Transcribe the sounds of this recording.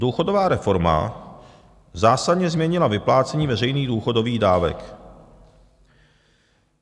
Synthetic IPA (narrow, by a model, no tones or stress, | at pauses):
duːxodovaːɾɛfo̞ɾma̰ | zaːsadɲɛzmɲɛɲɪlavɪplaːt͡sɛɲiːvɛrɛjniːɣduːxo̞do̞viːɣdaːvɛ̰k